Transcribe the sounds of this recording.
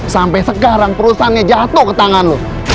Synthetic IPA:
sampɛsəkaɾaŋpəɾusaɦanɲad͡ʒat̪ʊhkət̪aŋanlo

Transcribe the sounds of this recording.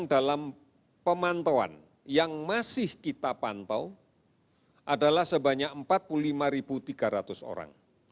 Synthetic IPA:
ŋdalam | pəmant̪owa̰n | jaŋmasɪhkit̪apant̪a̰w | ʔadalahsəbaɲakəmpat̪̚puluulimaɾibut̪iɡaɾat̪ʊso̰ɾa̰ŋ

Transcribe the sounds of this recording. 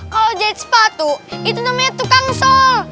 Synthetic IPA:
ɔd͡ʒat̪spat̪uit̪unamat̪ːukaŋsɔl

